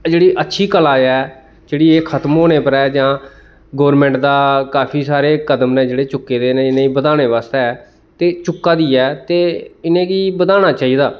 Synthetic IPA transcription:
d͡ʒeːɽiːʔətːʃʰiːkəlaːɛː | d͡ʒeːɽiːeːkʰət̪mɦoːɽ̃eːpəɾɛːd͡ʒãː | ɡoːɾmẽːɳʈd̪aːkaːpʰiːsaːɾeːkəd̪əmnẽːd͡ʒeːɽeːt͡ʃʊkːeːd̪eːneːɪnẽːiːbəd̪aːɽ̃eːʋaːst̪eɛː | t̪eːt͡ʃʊkːaːd̪iːɛːt̪eːɪnẽːkiːbəd̪aːɽ̃aːt͡ʃaːiːd̪aː

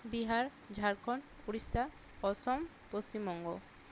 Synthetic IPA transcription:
biɦaɾ | d͡ʑʱaɾkʰɔn | uɽist̪ʰa | ɔsɔm | post͡ɕimbɔŋɡo

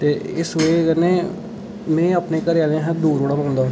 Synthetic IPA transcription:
t̪eːɪseːɡəneː | mɛ̃ːəpneːkəɾjaːnẽɦɛ̃d̪uːɾoːɽaːmənd̪aː

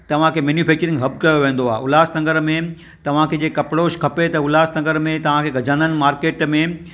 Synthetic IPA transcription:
t̪ɐʋ̤ãkʰeːmeːnjufʰɛːk̚t͡ɕəɾɪ̃ŋɡɦɐbkɐjoʋẽːn̆d̪oaːɦeʔʊlaːst̪ɐ̃ŋɡəɾmẽ | t̪ɐʋ̤ãkʰeːd͡ʑeːkɐpɽoːʃkʰɐpet̪ɐʊlaːst̪ɐ̃ŋɡəɾmẽt̪ɐʋ̤ãkʰeɡʱɐd͡ʑaːnənɪ̆maːɾkeːʈmẽ

